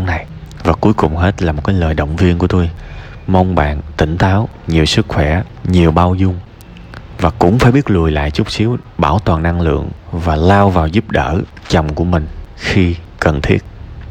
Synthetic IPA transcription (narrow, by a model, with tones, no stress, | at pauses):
na˨˩j | vaː˨˩ku˨˦əjkʊ˨˩ŋ͡mɦe˦˥t̚laː˨˩mo˨˩t̚kaː˨˦jləː˨˩jɗə̰˧˨wŋ͡mvi˧ənku˧˩ət̪o˧j | mə˧wŋ͡mɓa̰ː˧˨nt̪ḭ̈˧˩ŋ̟t̪aː˨˦wɲi˨˩əwsɨ˦˥k̚xwɛ˧˩ | ɲi˨˩əwɓaː˧wzʊ˧ŋ͡m | vaː˨˩kʊ̰˧˥ŋ͡mfaː˧˩jɓi˦˥ət̚lu˨˩əjla̰ː˧˨jt͡ɕʊ˦˥k͡p̚si˨˦əwɓaː˧˩wt̪waː˨˩nːa˧ŋlɨ̰˧˨əŋvaː˨˩laː˧wvaː˨˩wzu˦˥p̚ɗəː˧˩ | t͡ɕɔ˨˩wŋ͡mku˧˩əmï˨˩ŋ̟xi˧ | kə˨˩nt̪ʰi˦˥ət̚